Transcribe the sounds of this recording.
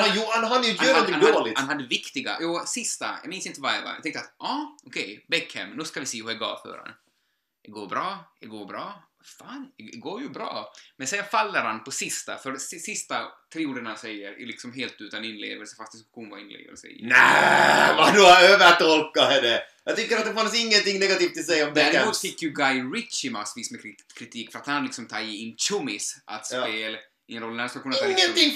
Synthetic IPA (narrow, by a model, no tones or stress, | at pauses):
ajuːhanɦad̪əjjøːɾɔnɪand̪oːlɪhanhad̪ːəvɪkt̪ɪɡa̰juːsɪst̪a̰jɑ̰ːmɪnsɪnt̪əvaɛva̰jɑ̰t̪ɛŋkt̪əat̪ʔɑːʔɔkʰɛjbɛkːhɛ̰mnʉːskavɪseːhʊɛɡɑ̰ːvfœ̰ːɾa̰n | d̪ɛɡoːɾbɾɑːd̪ɛɡoːɾbɾɑː | faːndɛɛɡoːɾjʉbɾɑ̰ːmɛnsɛnfalːəɾhanpʰɔsɪst̪a̰fœɾsɪsɪst̪at̪ʰɾɪːuːɖəɳasɛjːəɾ̰lɪksɔmɦeːlt̪ʉ̟ːt̪anɪnlḛːvəlsə̥fast̪̚d̪ɪskʉ̥ɧuːnva̰ɪnlḛːvə̰lsə̰næ | vad̪ɔaøːvət̪ɔlkːaɛdɛjɑɡt̪ʰʏkːəɾat̪̚d̪ɛfansɪŋːənt̪ɪŋːnɛɡat̪iːft̪ʰːɪlsɛjɔmɛæɾmuːt̪fɪkːjʉɡajɾɪt̪t͡ʃɪmasviːsmɛɾkʰːɾɪt̪ʰiːkːfœɾat̪hanlɪksɔmt̪ʰɑːjɪɪnːʃɵmɪsʔa̰t̪speːl | ɪnɾɔlːnanskkɵnːənt̪ʰɪŋː